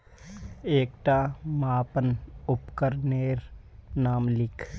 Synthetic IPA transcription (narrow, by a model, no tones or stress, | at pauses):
eːkʈaːmaːpənʊpkəɾneːɾnaːmlɪkʰ